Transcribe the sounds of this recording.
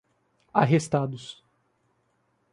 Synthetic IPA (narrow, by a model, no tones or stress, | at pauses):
aɦest̪ad̪ʊs